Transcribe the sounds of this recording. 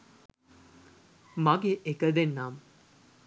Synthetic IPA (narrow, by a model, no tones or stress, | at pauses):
maɡeʔekəd̪enːaːm